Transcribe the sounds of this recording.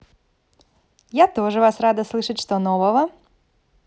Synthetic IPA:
jat̪o̞ʐɨvasrad̪əslˠɨʂɨtʲʂt̪onovəvə

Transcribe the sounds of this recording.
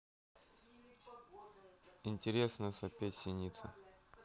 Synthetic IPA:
ɪnʲtʲɪɾʲesnəsɐpʲetʲsʲɪnʲit̪sə̰

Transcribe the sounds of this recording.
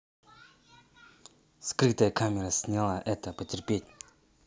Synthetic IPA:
skrək̚t̪ajkʰamerasɲalaʔɛt̪əpət͡ɕerpet̚ʲ

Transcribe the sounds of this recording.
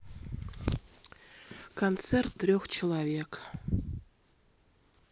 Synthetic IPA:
kont̪sert̪ːrʲoxt͡ɕilˠavʲek

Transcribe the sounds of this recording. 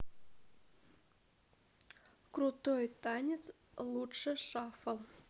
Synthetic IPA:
kɾut̪ojt̪anʲɪt̪s | lˠuʂɨʂɑfɐlˠ

